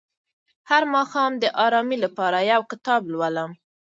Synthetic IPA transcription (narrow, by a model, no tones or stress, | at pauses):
haɾmɑxɑmd̪əʔɑɾɑmilapɑɾajawkɪt̪ɑblwaləm